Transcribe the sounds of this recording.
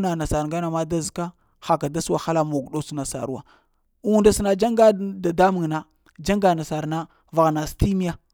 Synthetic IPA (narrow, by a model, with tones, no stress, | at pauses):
na˨na˨sa˨ɾŋɡa˦na˨ma˦da˦zka˦ | xa˨ka˨da˦su˦wa˨xa˦la˦mo˨ɡɗo˦su˨na˨sa̰˨ɾu˦wa̰˨ | u˦u˦nda˦su˨na˨d͡ʒa˦ŋɡa˦da˨da˦mi˨ŋna˨ | d͡ʒa˦ŋɡa˨na˨sa˨ɾna˦ | va˨ɣna˨sti˦mi˦ja˦